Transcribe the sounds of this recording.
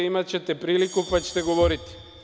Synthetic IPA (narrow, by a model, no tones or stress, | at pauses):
imat͡ɕet̪epɾiːlikupat͡ɕe̥t̪eɡoʋoɾit̪i̥